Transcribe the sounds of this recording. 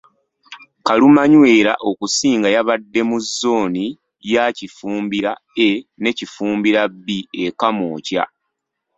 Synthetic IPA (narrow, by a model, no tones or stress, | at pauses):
kalumaɲwe̞ːɾaʔo̞kusiːŋɡajaβadːe̞muzːo̞ːni | jacifuːmbiɾaene̞cifuːmbiɾabːiekamoːcja̰